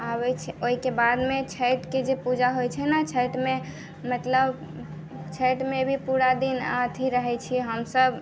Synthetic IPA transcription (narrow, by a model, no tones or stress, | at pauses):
abɛt͡ʃʰoɦikebad̪met͡ʃʰəjʈked͡ʒepud͡ʒaɦojt͡ʃʰɛnat͡ʃʰəjʈme | mət̪ləb | t͡ʃʰəjʈmebʱipuɾad̪inat̪ʰiɾəɦɛt͡ʃʰiɦəmsəb